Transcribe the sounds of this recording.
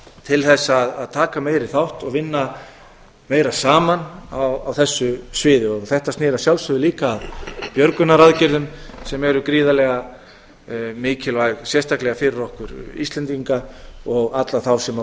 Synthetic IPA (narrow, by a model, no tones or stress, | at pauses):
t̪ʰɪlθɛsːaːðaðt̪ʰaːkameːjɾɪθawht̪ɔɣvɪnːa | meːjɾasaːmanawawθɛsːʏsvɪːðɪɔɣθɛht̪ast̪nɪːɾasjawlsʏðʏliːkaːðpjœɾkʏnːaɾaðcɪɾðʏmsɛmɛɾʏkɾiːðalɛɣa | mɪːcɪlvajɣsjɛrst̪ʰaklɛɣafɪɾɪɾɔhkʏɾḭst̪lɛnt̪iŋkaɔɣat̪laθawsɛma